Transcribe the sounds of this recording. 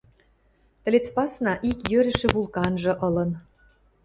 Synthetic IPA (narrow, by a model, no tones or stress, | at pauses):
t̪ə̆lʲet͡spɑsnɑʔikjøɾɘ̆ʃĕβulˠkɑnʒɤ̆ʔɤ̆lɤ̆n